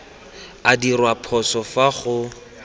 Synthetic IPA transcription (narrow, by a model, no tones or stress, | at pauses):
adirwapʰɔsɔfaχʊ